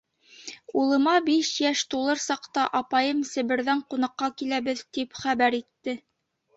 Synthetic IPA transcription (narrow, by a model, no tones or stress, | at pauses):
ulˠɤ̆mɑbiʃjæʃt̪ulˠɤɾsɑqt̪ɑʔɑpɑjɤmsɘ̆βɘ̆ɾðæɴqunɑqːɑkilæβɘðt̪ipχæβæɾit̪ːɘ